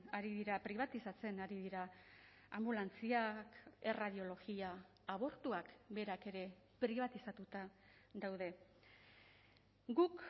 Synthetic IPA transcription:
aɾiðiɾapɾiβ̞at̪isat͡se̞naɾiðiɾa | ambulant͡siake̞raðio̞lo̞ɣiaː | β̞o̞ɾt̪uakbe̞ɾake̞ɾe̞pɾiβ̞at̪isat̪ut̪aðawð̞e̞ | ɡuk

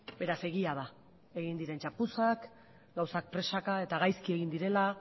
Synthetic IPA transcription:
be̞ɾase̞ɣiað̞a | e̞ɣind̪iɾe̞nt͡ʃapusak | ɡawsak̚pɾe̞sakae̞t̪aɣ̞ajskie̞ɣind̪iɾe̞la

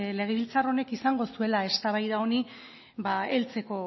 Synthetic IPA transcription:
le̞ɣ̞e̞βilt͡saro̞ne̞kisaŋɡo̞sue̞lae̞st̪aβajðao̞ni | baelt͡se̞ko̞

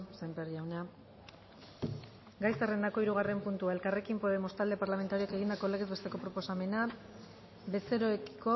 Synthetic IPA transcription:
sembeɾiawna | ɡajsare̞nd̪ako̞iɾuɣ̞are̞mpunt̪uae̞lkare̞kimpoðemo̞st̪ald̪e̞paɾlame̞nt̪aɾiake̞ɣind̪ako̞le̞ɣezβe̞st̪e̞ko̞pɾo̞po̞same̞na | be̞seɾo̞ekko̞

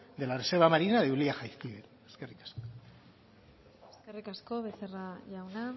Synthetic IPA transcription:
d̪e̞larese̞ɾβamaɾinaðeuliaxajθkiβe | e̥skerikḁsko̥ | eskerikaskoβeseraʝawna

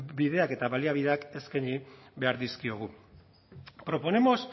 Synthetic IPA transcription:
biðe̞ake̞t̪aβaliaβiðeake̞skaɲiβe̞aɾðiskio̞ɣ̞u | pɾo̞po̞ne̞mo̞s

